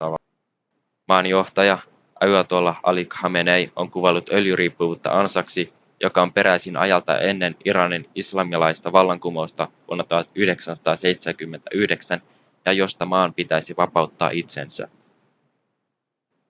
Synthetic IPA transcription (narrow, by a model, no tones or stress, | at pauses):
mɑːnjo̞ht̪ɑjɑ | ʔɑwɑt̪olɑɑ̰likhɑmenejo̞ŋkuʋelːut̪ø̞ljyɾʔiːpːuʋuːt̪ːɑ̰ʔɑnsɑksi | jo̞kɑo̞mpe̞ɾʔæjsinʔɑ̰jɑlt̪ɑ̰ʔe̞nːe̞niɾɑninislɑmiɑlɑjst̪ɑʋɑlːɑŋkumo̞jst̪ɑʋuonːɑt̪uhɑt̪yhde̞ksænsɑ̥t̪ɑːsejt̪seæŋkymːent̪æyhde̞ksæn | jɑjo̞st̪ɑmɑːmpit̪æjsiʋɑpɑuwt̪ːɑ̰ːʔit̪se̞nsæ̰